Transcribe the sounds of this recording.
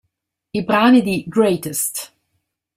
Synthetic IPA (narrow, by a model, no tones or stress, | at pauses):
ibɾanidiɡɹeɪtɨst